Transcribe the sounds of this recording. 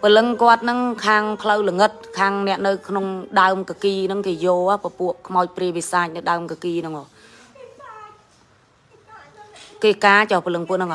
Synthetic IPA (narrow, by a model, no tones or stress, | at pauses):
pəlɨŋkŏət̪̚nɨŋkʰaːŋpʰləwləŋɨt̪̚kʰaːŋnɛ̆əʔnɨwkʰnoŋɗaəmkakiːnɨŋkeːjoːapəpuəʔkʰmaɔc̚priəʋisaːc̚nɨwɗaəmkakiːnɨŋɔː | keːkaːt͡ɕɑhpəlɨŋpuəʔnɨŋʔa